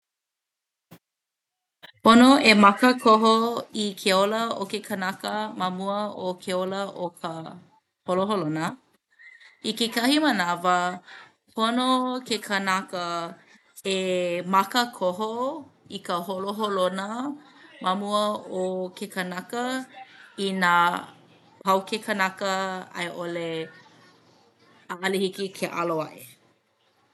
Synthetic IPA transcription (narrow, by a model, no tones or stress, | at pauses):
ponoemɐkəkʰoɦoikʰeoləokekʰɐnakəmɐmuəokʰeoləʔokʰə | holoɦolonə | ikekɐhimənavə | pʰonokekʰɐnakə | emɐkəkʰoɦoikəholoɦolonəmamuəokʰekɐnakə | ina | pʰɐwkʰekʰənakəɐ̰jʔole | aʔɐlihikikʰeʔa̰loa̰ʔḛ